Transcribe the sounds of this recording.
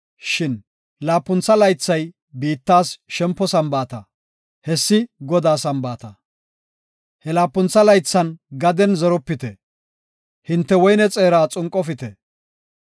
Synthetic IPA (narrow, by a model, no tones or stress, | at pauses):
ʃɪn | laːpːʊnt͡sːɐlɐjt͡sːɐj | biːt̪ːaːsʃɛmpːɔsɐmbaːt̪ɐ | hɛsːɪɡɔd̪aːsɐmbaːt̪ɐ | hɛlaːpːʊnt͡sːɐlɐjt͡sːɐnɡɐd̪ɛnzɐɾɔpːɪt̪ɛ | hɪnt̪ːɛwɔjnɛt͡sʼe̞ːɾaːt͡sʼʊŋkʼːɔfɪt̪ɛ